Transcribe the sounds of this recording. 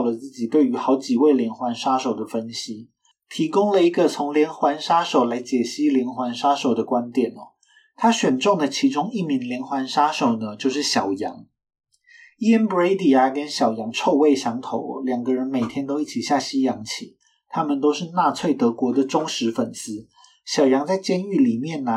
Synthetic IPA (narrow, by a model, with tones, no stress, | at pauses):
lə˩t͡sɹ̩˥˩t͡ɕi˨˩t̪we˥˩ɪy˧˥xɑ˧˥ʊt͡ɕi˨˩we˥˩ɪljɛ˧˥nxwa˧˥nʂa˥ʂo˨˩ʊd̪ə˩fə˥nɕi˥ | t̪ʰi˧˥kʊ˥ŋlə˨i˧˥ɡə˨t͡sʰʊ˧˥ŋljɛ˧˥nxwa˧˥nʂa˥ʂo˨˩ʊla˧˥ɪt͡ɕjɛ˨˩ɕi˥ljɛ˧˥nxwa˧˥nʂa˥ʂo˨˩ʊd̪ə˦kwa˥nt̪jɛ˨˩nɐ˦ | t̪ʰa˥ɕɥɛ˨˩nʈ͡ʂʊ˥˩ŋd̪ə˩t͡ɕʰi˧˥ʈ͡ʂʊ˥ŋi˥˩mi˧˥ŋljɛ˧˥nxwa˧˥nʂa˥ʂo˨˩ʊnə˩t͡ɕjo˥˧ʊʂɻ̩˥˩ɕjɑ˨˩ʊjɑ̰˧˥ŋ | i˥ə˥nbe˥ɪt̪i˨˩a˨˩kə˦nɕjɑ˨˩ʊjɑ˧˥ŋʈ͡ʂʰo˥˧ʊwe˥˩ɪɕjɑ˧˥ŋt̪ʰo˧˥ʊ˨ljɑ˨˩ŋɡə˦ɻə˧˥nme˨˩ɪt̪ʰjɛ˥nt̪o˥ʊi˥˩t͡ɕʰi˨˩ɕja˥˩ɕi˥jɑ˧˥ŋt͡ɕʰi˨˩˦ | t̪ʰa˥mə˨nt̪o˥ʊʂɻ̩˥˧na˥˧t͡sʰwe˥˩ɪt̪ɤ˧˥kwɔ˧˥d̪ə˨ʈ͡ʂʊ˥ŋʂɻ̩˧˥fə˨˩nsɹ̩˥ | ɕjɑ˨˩ʊjɑ˧˥ŋt͡sa˥˩ɪt͡ɕjɛ˥ny˥˩li˨˩mjɛ˥˩nː˧